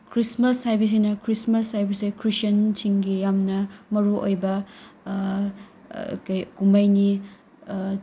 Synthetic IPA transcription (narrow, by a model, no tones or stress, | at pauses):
kɾismɐshajbɐs̬inɐkʰɾismɐshajbɐsejkʰɾisɐnsiŋɡijamnɐmɐɾuʔo̰jbɐ | kɐjkumɐjni